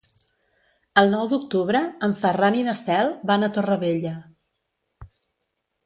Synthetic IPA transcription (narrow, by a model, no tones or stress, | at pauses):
əlˠnɔwd̪uk̚t̪uβɾəːɱfəraninəsɛlˠβanət̪orəβeʎə